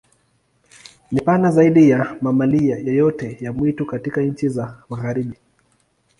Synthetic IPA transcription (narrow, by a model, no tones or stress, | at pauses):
nipanazaiɗijamamalijajɔjɔtɛjamwitukatikaɲ̩t͡ʃizamaɣaɾiɓi